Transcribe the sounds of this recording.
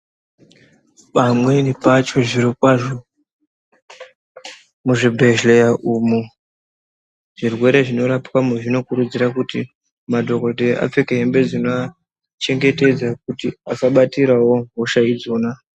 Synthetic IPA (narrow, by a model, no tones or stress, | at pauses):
ɓamwe̞nipat͡ʃo̞ʐiɾikwaʐo̞ | muʐibʱeʒlejaʔumu | ʐ̥irwe̞ɾe̞ʐino̞ɾapkwamuʐino̞kuɾud͡ziɾakuti | madʱo̞ko̞de̞a̰p͡fekeɦembe̞d͡zinoa | t͡ʃe̞ŋɡe̞te̞d͡zakutiakaɓatiɾawo̞ɦoʃaid͡zoːna